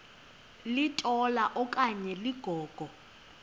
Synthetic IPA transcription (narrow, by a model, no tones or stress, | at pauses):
litʼɔlaʔɔkʼaɲɛliɡ̥ʱɔːɡ̥ʱɔ